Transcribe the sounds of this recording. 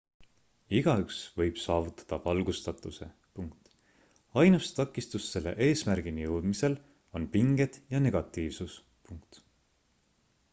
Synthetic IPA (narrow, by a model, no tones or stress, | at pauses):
iɡ̥ɑyksvɤ̞jb̥sɑːvut̪ːˑɑ̥d̪̥ɑvɑlɡ̥ust̪ɑt̪ːˑuse̞̰ | puŋk̚t̪ | ɑjnust̪ɑkːˑist̪usːe̞lːe̞̰ʔe̞ːsmærɡ̥inijɤwd̪̥mise̞l | o̞npiŋɡ̥e̞d̪̥jɑne̞ɡ̥ɑt̪ˑːiːvsus | puŋkt̪